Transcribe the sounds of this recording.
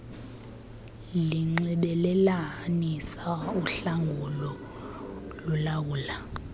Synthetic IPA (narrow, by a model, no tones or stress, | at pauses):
liŋ͡ǀiɓɛlɛlanisauɬaŋɡʱulɔ | lulawuːla